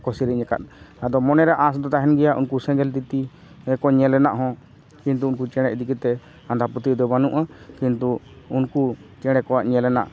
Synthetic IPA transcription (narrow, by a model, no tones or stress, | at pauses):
kɔsiɾiɲɛka̰t̪̚ad̪ɔmɔnɛɾɛʔãsd̪ɔt̪aɦɛnɡɛjaʔunkusɛ̃ɡɛlt̪it̪i | ɛkɔɲɛlɛnaʔɦɔ̃ | kint̪uunkut͡ʃɛɽ̃ɛʔd̪ikit̪ɛ | ãnd̪ʱaput̪id̪ɔbanṵʔakint̪uː | nkut͡ʃɛɽ̃ɛkɔwaʔɲɛlɛna̰ʔ